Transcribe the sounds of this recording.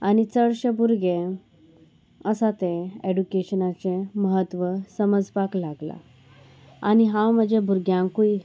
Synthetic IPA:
añit͡səɭɕəbuɾɡẽ | əsat̪eeɖukeɕənat͡seməɦət̪ʋəsəməd͡zpaklaɡla̰ | a̰ñiɦãwm̤əd͡ʑebʱuɾɡjãŋkui

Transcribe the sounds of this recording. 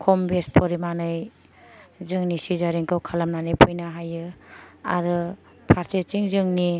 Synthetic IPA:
kʰɔmbespʰɔɾimanɯj | zɯŋnisizaɾiŋkɯwkʰalamnanɯjpʰɯjnaɦajɯa̰ɾɯ | pʰaɾset͡ʃiŋzɯŋni

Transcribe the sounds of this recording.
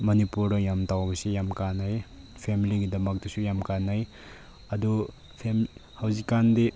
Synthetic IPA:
mɐnipuɾɐjamtawbɐsejamkanaj | pʰemiliɡidɐmɐk̚dɐsujamkanaj | ɐdu | pʰemhawzikːande

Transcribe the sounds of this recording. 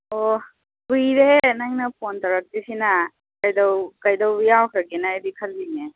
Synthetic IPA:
ɔ | bɯjɾenajŋnapoɔntaɾak̚disina | kajdawkajdawbɯjawkʰaɾɡenaedikʰalbine

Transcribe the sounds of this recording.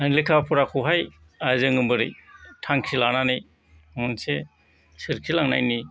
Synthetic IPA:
anlekʰapʰuɾakʰuɦaj | azɯŋɯmbɯɾitʰaŋkʰilananɯj | ŋunse | sɯɾkʰilaŋna̰jni

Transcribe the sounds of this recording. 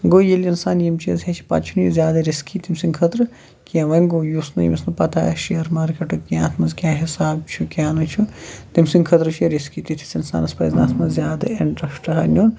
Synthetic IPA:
ɡoːjelʲinsaːnjimt͡ʃʰizɦet͡ʃʰi̥pɐ̰t͡ʃʰunjuzʲjaːd̪ɐɾiskit̪imsiŋkʰɐt̪ɾɨ | kiɐ̃ʋɐnɡoːjusnujḭmisnupɐt̪aːʃijɐɾmaːɾkeʈɨkjãːt̪ʰmɐzkʲaːɦisaːbt͡ʃʰukʲaːnut͡ʃʰut̪imsiŋɡkʰɐt̪ɾɨt͡ʃʰiɐɾiskit̪it̪ʰi̥sinsa̰ːnɐspɐ̰zna̰ːt̪ʰmɐzzjaːd̪ɐ̰eɳʈɾɐsʈɐɦɐnʲjoːn

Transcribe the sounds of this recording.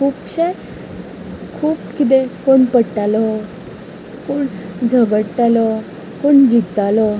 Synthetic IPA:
kʰuːpɕe | kʰuːpkit̪̬ekoɳpəɽʈːalɔ | koɳd͡zʱəɡəɽʈalɔ | koɳd͡ʑiɡt̪alɔ

